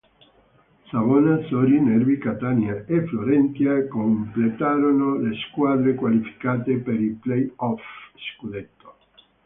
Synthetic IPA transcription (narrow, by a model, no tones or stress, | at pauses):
saβonasoɾineɾbikat̪anjaefloɾent̪jakomplet̪aɾonoleskwaðɾekwalifi̥kat̪epeɾiplejɔfskud̪et̪ːo̥